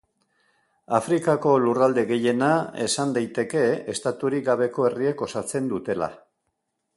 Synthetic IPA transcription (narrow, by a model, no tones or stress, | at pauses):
afɾikako̞lurald̪e̞ɣe̞je̞nae̞sand̪ajt̪e̞ke̞est̪at̪uɾik̚ɡaβe̞ko̞e̞rie̞ko̞sat͡se̞nd̪ut̪e̞la̰